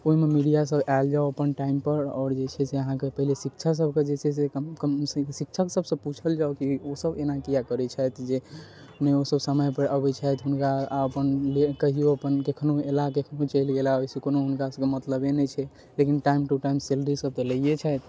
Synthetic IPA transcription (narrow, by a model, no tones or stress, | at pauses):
oɦimemiɖijas̬əbald͡ʒaoəpənʈaimpəɾɔ̰ːɾd͡ʒet͡ʃʰɛseəɦãkepəɦilesikt͡ʃʰas̬əb̚ʱked͡ʒet͡ʃʰɛs̬ekəssik̚t͡ʃʰəksəbsə̃put͡ʃʰəld͡ʒaokiosəbenakijakəɾɛt͡ʃʰɛjt̪d͡ʒe | nɛosəbsəməjpəɾʔəbɛt͡ʃʰɛt̪ɦunkaəpənlekəɦioəpənkekʰnoelakekʰnot͡ʃəjlɡelaojsekonoɦunkasəbkemət̪ləbenɛt͡ʃʰɛ | lekinʈaimʈuʈaimselɾisəb̚t̪ɔləijet͡ʃʰɛjt̪